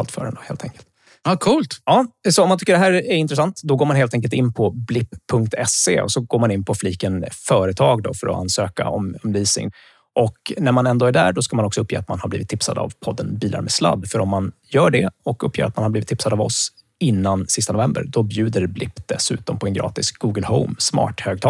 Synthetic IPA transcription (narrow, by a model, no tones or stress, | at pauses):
alt̪fœ̰ːɾənd̪ɔheːlt̪ʰɛŋkəlt̪ | ɑkʰuːlt̪ɑːsɔɔmant̪ʰʏkːəɖɛɦæːɾɛɾɪnt̪ɾɛsant̪d̪ɔɡoːɾmanheːlt̪ɛŋkəlt̪ɪnːpʰɔblɪpʰːɵŋk̚t̪ʰɛseɔ̰sɔɡoːmanɪnpʰɔfliːkənfœːɾət̪ʰɑːɡd̪ɔ̰fœɾɔ̰a̰nːsøːka̰ɔmɔmliːsɪ̰ŋ | ʔɔknæɾmanɛnd̪oːæɖæ̰ɖɔskamanɔksɔɵpʰːjeːat̪manhaɾbliːvɪt̪ʰːɪpsa̰d̪a̰vpʰɔd̪ːənbiːlʔa̰ɾmɛsla̰d̪ːfœɾɔmːanjœːɖɛɔkɵpʰːjeːɾa̰t̪manhaɾblivɪt̪ʰːɪpsad̪avɔ̰s | ɪnːansɪst̪anʊvɛmbə̰ɾd̪ɔbjʉ̟ːd̪əɾblɪpːd̪ɛsʉ̟̰ːt̪ɔmpʰɔɛnɡɾɑ̰ːt̪ɪsɡ̥uːɡəlhɔ̰ʊmsmɑ̰ːʈhøːɡ̚t̪ʰɑ